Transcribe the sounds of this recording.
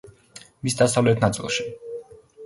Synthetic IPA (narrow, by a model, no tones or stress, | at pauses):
misd̪asavlɛt̪ʰnat̪sʼḭlˠʃi̥